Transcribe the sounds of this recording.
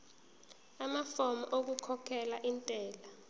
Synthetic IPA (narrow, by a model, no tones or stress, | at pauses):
amafɔmɔ̰ʔok̬ukʰɔkʰɛlaʔintʼɛːla